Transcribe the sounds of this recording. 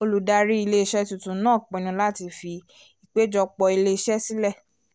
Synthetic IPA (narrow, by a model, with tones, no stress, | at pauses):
o˧lu˨da˧ɾi˦i˧le˦i˧ʃɛ˦tu˧tũ˧˦nãː˦˨k͡pɛ̃˨˧˨nĩ˧la˦ti˧fi˧ | i˨k͡pe˦d͡ʒɔ˧k͡pɔ˧i˧le˦i˧ʃɛ˦si˦lɛ˦˨